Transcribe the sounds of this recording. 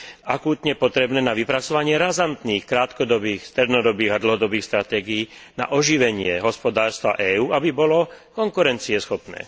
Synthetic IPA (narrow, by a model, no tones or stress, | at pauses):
akuːt̪ɲɛpɔt̪ɾɛbnɛːnaʋipɾat͡sɔʋaɲɪɛɾazant̪niːxkɾaːt̪kɔd̪ɔbiːxst̪ɾɛd̪nɔd̪ɔbiːɣad̪l̩ɦɔd̪ɔbiːxst̪ɾat̪ɛːɡijiːna̰ʔɔʒiʋɛɲɪɛɦɔspɔd̪aːɾst̪ʋa̰ʔɛːuːʔabibɔlɔkɔŋkuɾɛnt͡siɛsxɔpnɛ̰ː